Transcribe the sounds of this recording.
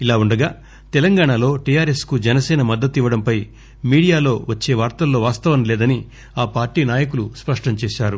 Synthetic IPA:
ilaːuɳɖɐɡaː | t̪ɛlɐŋɡaːɳalo̞ːʈijaːɾeskud͡ʒɛnɐsɛːnɐmɐd̪ːɐt̪ːiʋɐɽɐmpɐj | miːɽijaːlo̞ːʋɐt͡ʃːe̞ːʋaːɾt̪ɐlːo̞ːʋaːst̪ɐʋɐnlɛːd̪ɐni | aːpaːɾʈiːnaːjɐkuluspɐʂʈɐmt͡ʃɛːʃaːɾu

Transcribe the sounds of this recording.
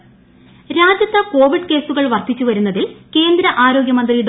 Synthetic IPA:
ɾaːd͡ʑjɐt̪ːɐko̞ːʋiɖke̞ːsuɣɐɭʋɐrt̪it͡ɕːuʋɐɾunːɐðilke̞ːnd̪ɾɐʔaːɾo̞ːɡjɐmɐnd̪rijuɽ

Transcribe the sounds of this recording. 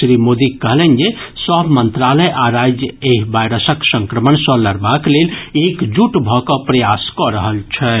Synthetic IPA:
sɾimod̪ikːəɦlɛnd͡ʒe | səbʱmənt̪ɾaləjʔaɾajd͡ʒjəeɦbajɾəsəksə̃ŋkɾəmənsə̃ləɾbaklelekd͡ʒuʈbʱɔkəpɾəjaskɔɾəɦəlt͡ʃʰɛ

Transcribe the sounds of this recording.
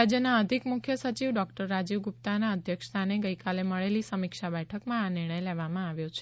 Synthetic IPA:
ad͡ʒjənaəd̪ʱikmukʰjəsət͡ʃiʋɖɔkʈəɾːad͡ʒiʋɡup̚t̪anaəd̪ʱjəkʂt̪ʰaneɡəjkaleməɭelisəmikʃabɛʈʰəkmãanɪɾɳ̃əjleʋamãaʋjot͡ʃʰe̥

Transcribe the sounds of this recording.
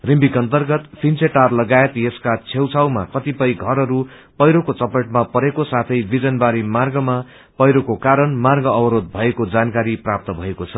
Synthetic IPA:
rimbikʌnt̪ʌrɡʌt̪pʰint͡sʰeʈarlʌɡaet̪jeskat͡sʰewt͡sʰawma̰kʌt̪ipʌjɡʱʌɾʌɾu | pʌjɾokot͡sʌpʌʈ̚mapʌɾekosat̪ʰʌjbid͡zʌnbaɾimarɡʌma | pʌjɾokokaɾʌnmarɡʌʌbʌɾod̪̚bʱʌekod͡zankaɾiprap̚t̪ʌbʱʌekot͡sʰʌ

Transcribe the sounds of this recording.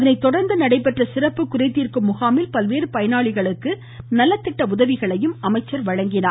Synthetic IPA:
ɐðɐnɐɪt̪ːɔɽɐɾnd̪ɐnɐɽɐɪpːɛʈrɐsɪrɐpːɯkʊɾɐɪt̪ːiːrkɯmːʊɣaːmɪlpɐlʋeːɾɯpɐjɐnaːɭɪɣɐɭɯkːɯ | nɐlːɐt̪ːɪʈːɐʊðɐʋɪɣɐɭɐjɯmɐmɐɪt͡ʃːɐɾʋɐɻɐŋɡɪnaː

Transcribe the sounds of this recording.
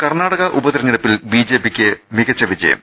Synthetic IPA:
kɐrnaːɽɐɣɐʔubɐðiɾɐɲːiɽɐpːilbiːd͡ʑeːpikʲːɨmiɣɐt͡ɕːɐʋid͡ʑɐ̰jɐ̰m

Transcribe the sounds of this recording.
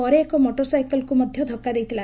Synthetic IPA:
ɔɾeːkɔmoʈɔɾsajkɔlkumɔd̪ʱjɔd̪ʱɔkːad̪ejt̪ʰila

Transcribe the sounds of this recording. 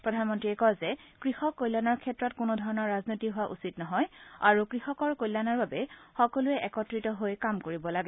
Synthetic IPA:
pɹɔdʱanmɔntɹiɛkɔzɛkɹixɔkːojlanɔɹkʰɛtːɹɔtkʊnʊdʱɔɹɔnɔɹɹaznojtiɦʊwaʔṵsitnɔɦɔja̰ɹukɹixɔkɔɹkojlːanaɹbabɛxɔkɔlʊɛʔɛkɔtɹitɔɦojkamkoɹibɔlaɡɛ

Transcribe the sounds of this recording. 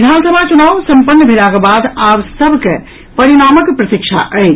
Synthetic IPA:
ɪd̪ʱaːnsəbʱat͡ʃunaːʋsɐ̃mpənːbʱɪlakebaːd̪aːwsɐbʱke | pɐɾiɽaːməkpɾɐt̪ɪkʃʰa̰ʔəe

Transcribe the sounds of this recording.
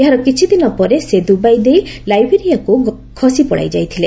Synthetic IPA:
eɦaɾɔkit͡ʃʰid̪inɔpɔɾesed̪ubajd̪ejlajbeɾijakuɡ | kʰɔsipɔɽa̰jd͡ʒa̰jt̪ʰile

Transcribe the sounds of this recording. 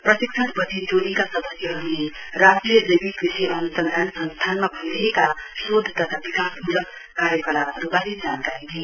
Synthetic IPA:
prʌsik̚t͡sʰʌt̪bʌt͡sʰid͡zolikasʌd̪ʌsjʌɦʌɾule | rasʈriʌdejbik̪biseʔʌnusʌnd̪ansʌ̃nst̪ʰanmabʱʌnd̪iekasod̪ʱːt̪ʌt̪ʰabikasbulʌk | kaɾjekʌlaɾubalid͡zankaɾid̪ʱe

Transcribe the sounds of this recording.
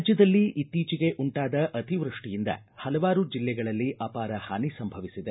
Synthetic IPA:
d͡ʒjɐd̪ɐlːiʔit̪ːiːt͡ʃiɡe̞ʔuɳʈaːd̪ɐʔɐt̪iʋɾuʂʈijind̪ɐ̰ | hɐlɐʋaːɾud͡ʒilːɛɡɐɭɐlːiʔɐːpaːɾɐhaːnisɐmbʱɐʋisid̪e

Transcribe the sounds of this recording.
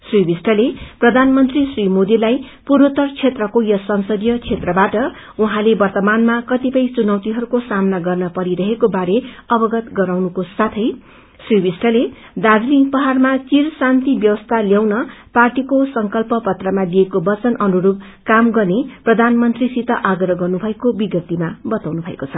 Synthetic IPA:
sribisʈʰʌleprʌd̪ʱanmʌnt̪risrimod̪ilaj | puɾot̪ʌrt͡sʰet̪rʌkojʌsʌnsʌd̪jʌt͡sʰet̪rʌbaʈʌ | uɦãlebʌrt̪ʌmanmakʌt̪ipʌjt͡sunʌwt̪iɦʌɾukosamnaɡʌrnʌpʌɾiɾʌɦekobaɾeʌbʌɡʌt̪ɡʌɾawnukosat̪ʰʌj | subisʈʌle | d̪ad͡zliŋpʌɦarmat͡sirsant̪ibjʌwʌst̪ʰaljawnʌparʈikosʌŋkʌlpʌpʌt̪rʌmad̪ijekobʌt͡sʌnʔʌnuɾub̚ | kamɡʌrneprʌd̪ʱanmʌnt̪risit̪ʌʔaɡrʌʌɡʌrnubʱʌekobiɡjʌt̪imabʌt̪awnubʱʌḛkot͡sʰʌ

